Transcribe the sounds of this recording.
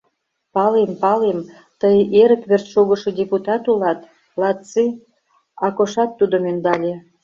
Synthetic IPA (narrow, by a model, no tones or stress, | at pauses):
pɑlempɑlem | t̪əjʔeɾə̆kβert͡sʃuɣə̆ʃodʲeput̪ɑt̪ulɑt̪ | lɑt̪t͡si | ɑkoʃɑt̪ːud̪omynd̪ɑlʲe